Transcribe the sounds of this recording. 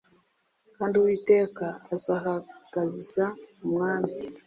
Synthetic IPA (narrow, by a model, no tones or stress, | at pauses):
kaːndiwiːte̞ːkaːzahaɡ̥aβiz̥aumŋaːmi